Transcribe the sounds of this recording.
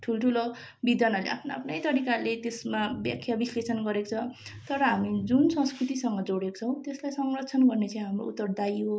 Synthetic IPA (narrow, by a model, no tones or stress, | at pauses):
ʈʰulʈʰulo | bid̪jʌnalḛa̰pʰnaa̰pʰnʌjt̪ʌɾikalet̪esmabja̰kʰjabislesʌnɡʌɾekot͡sʰʌt̪ʌɾʌɦamid͡zunsʌ̃skrut̪isʌŋɡʌd͡zoɽeko̥t͡sʰʌ̃w̃t̪eslajsʌŋrʌtt͡sʰʌnɡʌrnet͡sãj̃ɦamro̰ut̪ːʌrd̪aiɦo